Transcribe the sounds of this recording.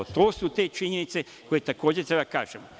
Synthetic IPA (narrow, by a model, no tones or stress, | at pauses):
ot̪oːsut̪et͡ʃiɲenit̪se | ko̞jet̪ako̞ːd͡ʑet̪ɾebad̪aka̰ːʒemo